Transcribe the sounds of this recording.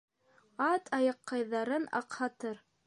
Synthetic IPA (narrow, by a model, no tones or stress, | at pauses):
ɑt̪ʰɑjɑqʰːɑjðɑɾɤnɑ̰qhɑt̪ɤɾ